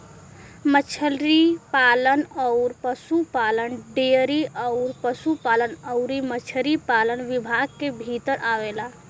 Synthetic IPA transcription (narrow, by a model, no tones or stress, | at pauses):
mət͡ʃʰəlɾipalənəʊɾpəsupalənɖeɾiʔəʊɾpəsupalənəʊɾimət͡ʃʰəɾipalənʋibʱaɡ̚kebʱit̪əɾʔaʋela